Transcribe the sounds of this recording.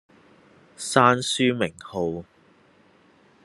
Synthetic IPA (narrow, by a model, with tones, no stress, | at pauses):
saː˥nsyː˥mɪ˨˩ŋho˨˧w